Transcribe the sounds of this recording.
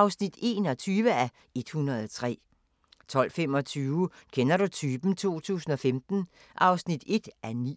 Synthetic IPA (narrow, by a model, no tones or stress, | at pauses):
ɑʊsnid̥e̝̰ːnɒ̽t͡sʰyːʋəæ | e̝d̥hunɐð̞̩ˠt͡sʰʁɛ̰ː | t͡sʰɒ̽l̰fem̰ɒ̽t͡sʰyːʊkʰenɐɾut͡sʰyːb̥n̩t͡sʰo̝̰ːt͡sʰṵːsn̩ɒ̽femd̥n̩ | ʔɑ̈ʊsnid̥e̝d̥ʔænḭː